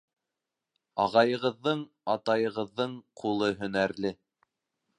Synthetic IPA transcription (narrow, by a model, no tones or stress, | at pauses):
ɑʁɑjɤ̆ʁɤ̆ðːɤɴ | ɑt̪ɑjɤ̆ʁɤ̆ðːɤɴqʰulˠɤɦɵ̆næɾlɘ